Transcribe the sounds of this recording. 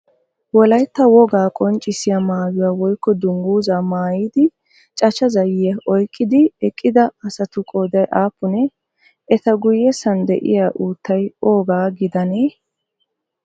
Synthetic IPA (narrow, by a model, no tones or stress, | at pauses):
wɔlɐjt̪ːɐwɔɡaːkʼɔnt͡ʃʼɪsɪjamaːjʊwaːwɔjkːɔd̪ʊŋɡuːzaːmaːjid̪ɪ | t͡ʃʼɐt͡ʃɐzɐjɪjɐʔɔjkʼːɪd̪ɪɛkʼːɪd̪ɐɐsɐt̪ʊkʼoːd̪ɐjʔaːpːʊnɛ | ʔɛt̪ɐɡʊjːɛsɐnd̪ɛ̰ʔɪ̰jaːʔuːt̪ːɐjoːɡaːɡɪd̪ɐneː